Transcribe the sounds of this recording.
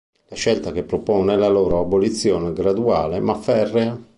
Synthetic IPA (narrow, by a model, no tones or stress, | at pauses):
laʃɛlt̪akepːɾopɔːnelaloːɾoabolit̪sːjoːneɡɾad̪uaːlemafɛrːea